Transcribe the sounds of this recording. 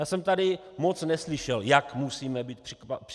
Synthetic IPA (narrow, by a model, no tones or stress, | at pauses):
jaːsɛmt̪adɪ | mot͡snɛslɪʃɛljakmusiːmɛbiːt̪̚pp